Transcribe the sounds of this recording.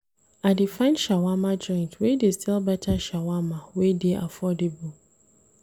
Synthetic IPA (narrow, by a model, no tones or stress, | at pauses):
adifãnʃawamãd͡ʒɔ̃ɪ̃ntwedestʰilbɛtʰaʃawamãwedeʔafɔdebu